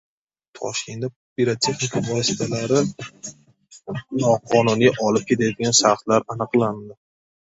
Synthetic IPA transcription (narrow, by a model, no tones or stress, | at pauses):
t̪ʰɒ̰ʃkʲʰe̞nd̪a | piɾat̪ʰe̞χnɪkʰavɒsɪ̥t̪ʰalaɾɪ | nɒqʰɒnʊnijʔɒlɪp̚kʰʲet̪ʰajɔd̪ɪɡʲanʃat̪laɾanɨqlˠand̪ɪ